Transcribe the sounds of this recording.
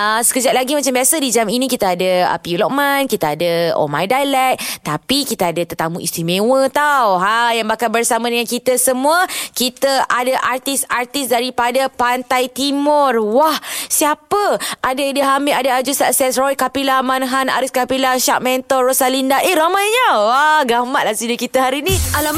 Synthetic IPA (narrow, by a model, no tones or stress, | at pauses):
əsə̥kəd͡ʒat̪̚laɡimat͡ʃambiasədid͡ʒaminĩkit̪aadaə̰piulɔʔ̚mãnkit̪aadəo̰ma̰jdalɛk̚t̪apikit̪aadat̪ət̪amuʔḭst̪imẽwət̪awɦajaŋbakalbərsamadəŋankit̪əsəmũəkit̪əʔadaʔart̪isart̪ɪsdaɾipadapant̪ajt̪imʊrwahsiapəʔadadəɦamiʔadaad͡ʒusaʔsɛsrɔjkapilamanɦana̰ɾiskapilaʃaʔ̚mɛnt̪ɔrosalindaʔeɾamajɲəwaɡamaʔ̪̚lahsidəkit̪əɦaɾinialam